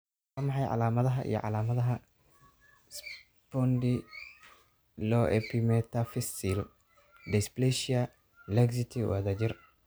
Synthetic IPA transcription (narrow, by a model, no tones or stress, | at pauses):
ɐmɑħɑjʕa̰laːmɐðɐɦɐʔḭjɔ̰ʕɑ̰laːmɐðɐɦɐ | s | pɔnd̪i | lɔʔɛpʰimɛt̪afɪsil | d̪ɛsplɛʃia | lɛɡs̬it̪ʰiwɐ̰ðɐd͡ʒɪr